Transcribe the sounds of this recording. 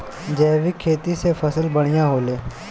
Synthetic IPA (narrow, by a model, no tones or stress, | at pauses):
d͡ʒɛːʋikʰːeːt̪isefʰɐsəlbəɽ̃ijãɦoːleː